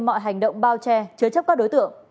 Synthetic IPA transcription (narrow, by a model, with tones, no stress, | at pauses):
mɔ̰˧˨jɦa˨˩jŋ̟ɗə̰˧˨wŋ͡mɓaː˧wt͡ɕɛ˧t͡ɕɨ˧ət͡ɕə˦˥p̚kaː˦˥k̚ɗo˨˦jt̪ɨ̰˧˨əŋ